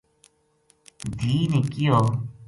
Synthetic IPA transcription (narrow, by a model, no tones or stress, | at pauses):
d̪ʱiːnekijoː